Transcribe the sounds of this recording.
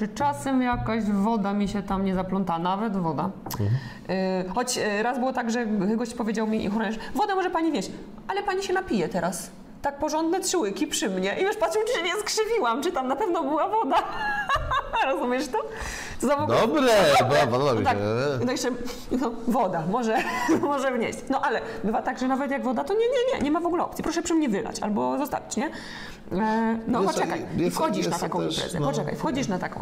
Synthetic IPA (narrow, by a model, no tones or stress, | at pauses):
ɨt͡ʂasɛmjakaʑvɔd̪amʲiɕɛt̪amɲɛzaplɔnt̪aanavɛd̪vɔd̪a | xɔt͡ɕɾazbɘwɔt̪aɡʐɛɡɔɕt͡ɕpɔvʲjed͡ʑawmʲixɾɔɲɛʂvɔd̪amɔʐɛpaɲivʲjɛɕ | ʔalɛpaɲiɕɛnapʲijɛt̪ɛɾas | t̪ak̚pɔʐɔnd̪nɛtʂɘwɘkʲipʂɘmɲɛʔivjɛʂpat̪ʂɨmʈ͡ʂɨt͡ɕɛmʲɲɛskʂɘvʲiwamt͡ʂɨt̪amnapɛvnɔbɘwavɔd̪a | ɾɔzumʲjɛʂt̪ɔ | t̪ɔzavɔɡd̪uɔbɾɛpavaɔit̪ak̪ɔjɛt͡ʂɛ | nɔvɔd̪amɔʐɛmɔʐɛvɲḛɕt͡ɕɛnɔʔalɛ | bɘvat̪aɡʐɛnavɛt̪jaɡvɔd̪at̪ɔɲɛɲɛɲɛ̰ɲɛmavɔɡulɛɔ̰pt̪sʲipɾɔʂɛpʂɘmɲɛvɘla̰t͡ɕʔa̰lbɔzɔst̪a̰vʲit͡ɕɲɛ | nɔpɔt͡ʂɛka̰jifxɔd͡ʑiʂat̪akɔ̃impɾɛ̰zjɛ̰pɔt͡ʂɛka̰jfxɔd͡ʑiʂnat̪akɔ̰̃